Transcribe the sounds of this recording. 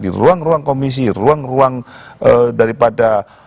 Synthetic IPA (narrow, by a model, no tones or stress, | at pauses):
dḭruaŋruaŋkomis̬iruaŋruaŋədaɾipada